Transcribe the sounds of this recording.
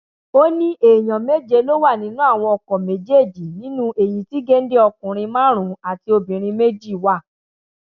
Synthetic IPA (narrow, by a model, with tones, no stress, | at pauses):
o˦nĩ˦ʔe˨j̃ɔ̃˨me˦d͡ʒe˧lo˦wa˦˨nĩ˨˦nũ˦a˦˨w̃ɔ̃˧ɔ˧kɔ̃˨me˨˦d͡ʒe˦˨d͡ʒi˨nĩ˦nũ˦ʔe˨j̃ĩ˨ti˦ɡe˦n̩˦de˦ɔ˧kũ˨ɾ̃ĩ˧mãː˦ɾ̃ũ˨˦a˨ti˧o˧bĩ˨ɾ̃ĩ˧me˦d͡ʒi˦˨wa˦˨